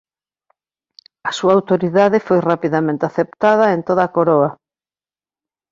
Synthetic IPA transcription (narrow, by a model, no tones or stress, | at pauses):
ɐsuaːwt̪oɾiðaðɪfojrapiðamẽnt̪eaθep̚t̪að̞ɐent̪oðakoɾoa